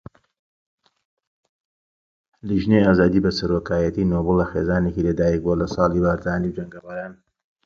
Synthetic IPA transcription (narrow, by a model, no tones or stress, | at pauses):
liʒnejaːzaːd̪iːbɐsɐɾokʰaːjɐt̪inoːbɨlˠːɐxeːzaːnekilɐd̪aːjɛk̚bolɐsˤɑːlˠibaːɾzaːniwd͡ʒɐŋɡɐraːɾaːn